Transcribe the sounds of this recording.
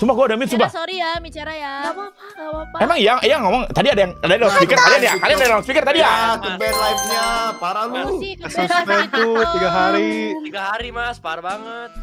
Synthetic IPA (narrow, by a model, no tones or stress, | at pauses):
sumbahɡuadaminsumbahsoɾijabit͡ʃaɾaja | emaŋijajaŋomɔŋt̪adiadajaŋadajadalaspikərkalianjakalianadadaspikərt̪adijakubɛlajf̚ɲapaɾalusustat̪ut̪iɡaɦaɾit̪iɡaɦaɾimaspaɾabaŋət̪̚